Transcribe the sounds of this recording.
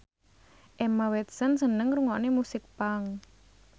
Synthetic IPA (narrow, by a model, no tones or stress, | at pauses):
ʔɛmawɛt̪̚sənsənəŋruŋɔʔnemusɪk̚paŋ